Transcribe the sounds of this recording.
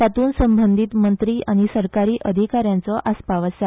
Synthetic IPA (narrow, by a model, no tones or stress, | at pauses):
at̪uːnsəmbənd̪ʱiːt̪mənt̪ɾiːʔaɽ̃isəɾkaɾiːʔəd̪ʱikaɾjãnt͡sɔʔaspaʋəsja